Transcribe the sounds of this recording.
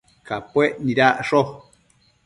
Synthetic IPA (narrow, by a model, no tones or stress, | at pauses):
kapweʔniɾaʔʂo